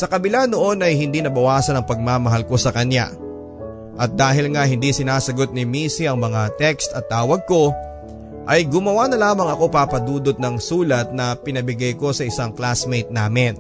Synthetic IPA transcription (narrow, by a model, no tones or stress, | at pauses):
sɐkɐbɪlano̞ʔo̞nʔɐjhɪnd̪inɐbɐwaːsɐnɐŋpɐɡ̚mamɐɦalko̞sɐkɐnja̰ | ʔɐt̪̚d̪aːɦɪlŋahɪnd̪isɪnaːsɐɡo̞t̪̚nɪmiːsiɐŋmɐŋat̪ɛkst̪ɐt̪ːaːwɐɡ̚ko̞ | ʔɐjɡʊmɐwanɐlaːmɐŋɐko̞paːpɐd̪uːd̪ot̪̚nɐŋsuːlɐt̪̚nɐpɪnɐbɪɡajko̞sɐɪsaŋklasmejt̪̚naːmɪn